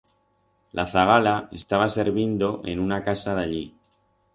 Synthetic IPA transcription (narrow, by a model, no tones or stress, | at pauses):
lʔaθaɣalae̞̰st̪aβ̞ase̞ɾβjind̪o̞ʔe̞̰nunakasaðaʎi